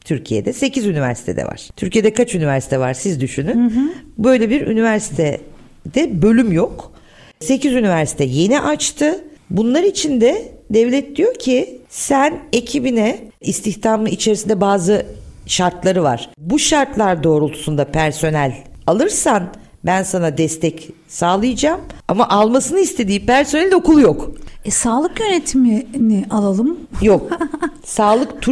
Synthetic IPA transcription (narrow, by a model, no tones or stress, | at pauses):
t̪ʰyɾcʰije̞̰d̪ɛse̞cʰizynivæ̰ɾsi̥t̪ʰe̞d̪ɛ̰va̰ɾ̥t̪ʰyɾcʰije̞d̪ɛkʰat͡ʃynivæɾsit̪ʰɛva̰ɾsizd̪yʃynynbø̞jlʲebiɾy̰nivæɾsi̥t̪ʰɛ | d̪̥ɛbø̞lʲymjok | se̞cizynivæɾsi̥t̪ʰɛje̞niʔat͡ʃt̪ʰɯbunlˠaɾit͡ʃʰind̪ɛd̪ɛvlʲɛt̪̚d̪ijo̞ɾcʰisæne̞cʰibinɛist̪ʰiçt̪ʰamɯit͡ʃʰe̞ɾisind̪ɛbaːzɯʃaɾt̪lˠaɾɯva̰ɾ̥buʃaɾt̪lˠaɾd̪o̞ːɾulˠt̪ʰu̥sund̪apʰæɾso̞nɛlʲalˠɯɾsan | bænsanad̪ɛst̪ʰɛc | saːlˠɯjɯd͡ʒaːmamaʔalˠmasɯnɯist̪ʰe̞d̪iːpʰæɾso̞nɛlʲd̪o̞kulˠjokɛsaːlˠɯkjø̞net̪ʰiminɪʔalˠalˠɯmjok̚ | saːlˠɯkt̪ʰu